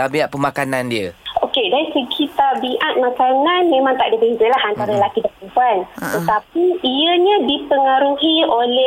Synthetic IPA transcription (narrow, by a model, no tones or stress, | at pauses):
abiat̪̚pəmakanandiəʔokedansəkʰit̪arbiʔat̪̚mãkananmẽmãŋt̪aʔdibəzəlaɦant̪aɾalakidapəbuant̪ət̪ap̚iːəɲadipəŋaɾuɦiolɛ